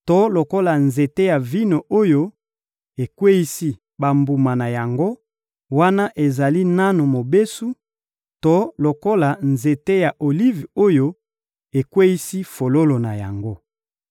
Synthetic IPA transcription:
to˦lo˨ko˦la˨nze˨te˦ja˨vi˦no˨o˦jo˦ | e˨kwe˦ji˦si˦ | ba˨mbu˨ma˨na˨ja˨ŋɡo˦ | wa˦na˦ʔe˨za˨li˦na˦no˨mo˨be˦su˦ | to˦lo˨ko˦la˨nze˨te˦ja˨ʔo˨li˦vo˦jo˦ | e˨kwe˦ji˦si˦fo˨lo˦lo˨na˨ja̰˨ŋɡo˦

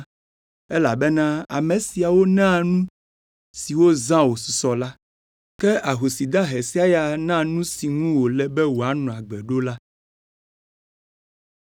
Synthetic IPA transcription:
ɛ˦la˨bɛ˦nã˦a̰˨me˨si˨a˨wo˦nã˦nũ˦ | si˨wo˦zã˦wo˨su˨sɔ˨la˦ | kɛ˦a˨ɦo˨si˨d̪ã˦ɦe˨si˦a˨ja˨nã˦nũ˦si˨ŋũ˦wo˨lɛ˨bɛ˦wo˨a˨˦nɔ̃˨a˨ɡ͡bɛ˨ɖo˦la˦

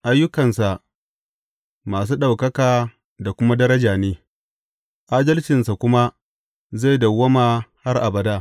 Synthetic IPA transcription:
ʔa˦jːʊ˦kɐ˨nsa˨ʔ | maː˨s̬uː˦ɗa˨wkɐ˦kaː˨ | da˨kʷʊ˦ma˦dɐ˦ɾɐ˦d͡ʒaː˨neː˦ | ʔaː˦dɐ˦lt͡ʃɪ˨nsa˨kʷʊ˦ma˦ | za˦˨jdɐ˨wːɐ˦maː˨ha˦rʔa˨bɐ˨daː˦

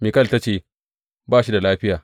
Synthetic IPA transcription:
mi˨kɐ˦˨lta˦t͡ʃeː˦˨ | baː˦ʃi˦da˨laː˦ɸɪ˦jaː˨

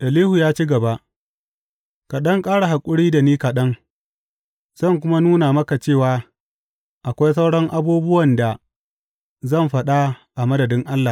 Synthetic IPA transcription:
ʔɐ˨liː˦hu˨jaː˦t͡ʃiː˦ɡɐ˨ba˦ʔ | ka˨ɗɐ˦ŋkʼaː˦ɽa˨ɦa˨kʷʼʊ˦ɽiː˦da˨niː˦ka˨ɗɐ˦ŋ | z̥ɐ˦˨ŋk̬ʷʊ˦ma˦nuː˦na˨mɐ˦ka˨t͡ʃeː˦˨waː˨ | ʔa˨kʷa˦js̬ɐ˦wɽɔ˦ŋʔa˦buː˦bʊ˦wɐ˨nda˨ | zɐ˦˨mɸɐ˦ɗa˦ʔa˨mɐ˦dɐ˨dɪ˦ŋʔa˦lːa˨

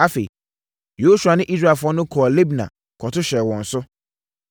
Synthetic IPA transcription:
a˦fe˨ | jo˨˦su˨a˨nɪ̃˦ʔi˦sɾa˦˨fʊ˦ɔ˦nʊ̃˦kʰɔː˨le˦bnã̰˨ | kʰɔ˨tʰʊ˦ɕɛ˨wɔ̃˨n̩˨sʊ˦

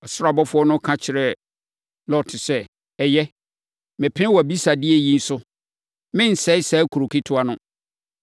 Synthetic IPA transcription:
ɔ˨sʊ˦ɾa˨bɔ˦fʊ˦ɔ˦nʊ̃˦kʰã˦t͡ɕʰɪ˨ɾɛ˨ | lɔ˦˨tʰɪ˨sɛ˦ | ɛ˨jɛ˦ | mɪ̃˨pʰɪ̃˦wɔ˨æ˨bi˦sa˨dɪ˦ɛ˦jĩ˦n̩˦sʊ˦ | mɪ̃˦n̩˨sɛ˦ɪ˦sɛ˦kʰu˨ɾo˨kʰi˦tʰʊ˦a˦nʊ̃˦

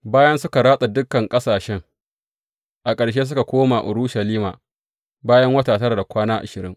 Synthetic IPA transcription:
baː˦jɐ˦nsʊ˦ka˨ɾaː˦sʼa˨dʊ˦kːɐ˨ŋkʼɐ˦saː˨ʃɛ˦ŋ | ʔa˨kʼɐ˨ɽʃ̬eː˦s̬ʊ˦ka˨kʷoː˦maː˨ʔʊ˨ɽʊ˦ʃɐ˨liː˦ma̰ː˨ | baː˦jɐ˦ŋwɐ˦taː˨tɐ˦ɾa˨da˨kʷaː˦naː˦ʔa̰˨ʃɪ˨ɾɪ̰˦ŋ

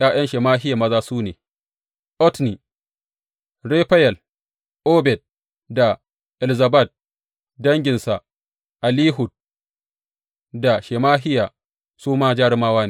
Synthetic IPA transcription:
jaː˦jɐ˦nʃe˨maː˦ɦɪ˦ja˨mɐ˦zaː˦suː˦neː˨ | ʔɔ˦tni˨ | ɽe˦ɸa˦jɛ˨l | ʔoː˦bɛ˨d̚ | da˨ | ʔɛ˨lza˨ba˦˨d̚ | dɐ˦ŋɡʲɪ˨nsa˨ | ʔa˨liː˦ɦʊ˨d̚ | da˨ʃe˨maː˦ɦɪ˦ja˨ | suː˦maː˦d͡ʒaː˦ɽɪ˦maː˦waː˦ne˨

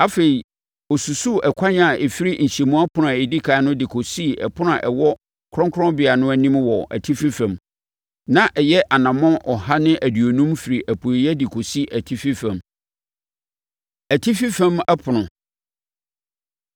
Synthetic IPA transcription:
a˦fe˨ɾi˨ | ɔ˨su˨su˦ɛ˨kʷʰa˦ɲ˦a˨ɛ˨fi˦ɾi˦ɲ̩˨ɕe˨mũ˦a˦pʰʊ˨nʊ˨a˨e˨di˦kʰaː˨˦nʊ̃˦dɪ˨kʰo˨si˦ɛ̰˨pʰʊ˦n˦ã˨ʔɛ˨wɔ˦ | kʰɾɔ̃˦ŋkʰɾɔ̃˦bɪ˨a˨nʊ̃˦æ˦nĩ˦mwɔ˨ʔæ̰˨tʰi˦fi˦fæ̃˨m | nã˦ʔɛ˨jɛ˦ʔa˨nã˨mɔ̃˦ʔɔ˨ha˦nɪ̃˦ʔæ˨dɥo˨nũ˦mfi˨ɾi˨ʔæ˨pʰu˨i˨jɛ˦dɪ˨kʰo˨si˦ʔæ˨tʰi˦fi˦fæ̃˨m | æ˨tʰi˦fi˦fæ̃˦mɛ˦pʰʊ˨nʊ̃˨

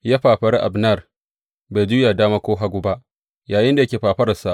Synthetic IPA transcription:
ja˦ɸaː˨ɸɐ˦ɾi˦ʔa̰˨bna˦˨r | ba˨d͡ʒʊː˦jaː˨daː˦maː˦kʷoː˦ɦa˦ɡʷu˦ba˦ʔ | jaː˨jɪ˦nda˨jkʲeː˨ɸaː˨ɸɐ˦ɾɐ˨sa˦˨ʔ

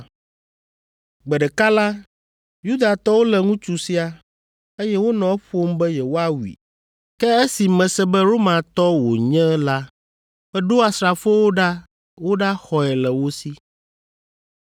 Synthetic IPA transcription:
ɡ͡bɛ˨ɖɛ˨ka˦la˦ | ju˦d̪a˨t̪ɔ˦wo˦lɛ˨ŋũ˦t͡ʃu˨si˦a˨ | e˦jɛ˦wo˦nɔ̃˨ɛ˦ɸo˦m˦bɛ˦jɛ˨wo˦a˦wḭ˨ | kɛ˦e˦si˨mɛ̃˨sɛ˦bɛ˦ɾo˦mã˨t̪ɔ˦wo̰˨ɲɛ̃˦la˦ | bɛ˦ɖo˦a˨sɾa˨fo˦wo˦ɖa˦ | wo˦ɖa˦xɔ˨ɛ˨lɛ˨wo˦si˦

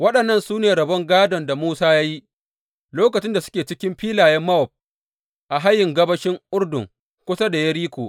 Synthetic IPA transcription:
wɐ˦ɗɐ˨nːɐ˦˨nsuː˦neː˨ɾɐ˨bɔ˦ŋɡaː˦dɔ˨nda˨muː˦saː˦ja˦ji˦ʔ | loː˦kɐ˨t͡ʃɪ˦nda˨sʊ̥˦kʲeː˨t͡ʃɪ˦kʲɪ˦mɸiː˦laː˨jɛ˦mːɐ˦ɔ˨p̚ | ʔa˨ɦa˦jːɪ˨ŋɡɐ˦bɐ˦ʃɪ˦ŋʔʊ˦ɽdʊ̰˨ŋ | kʷʊ˦sa˦da˨jɐ˦ɽiː˦kʷoː˨

